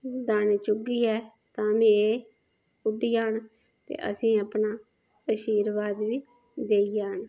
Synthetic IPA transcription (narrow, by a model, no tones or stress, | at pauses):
d̪aːneːt͡ʃʊɡiːɛː | t̪ãːmĩːeː | ʊd̪iːaːɳ | t̪ḛːʔə̰sĩːaːpnaː | əʃiːɾʋaːd̪ʋiː | d̪eːijaːɳ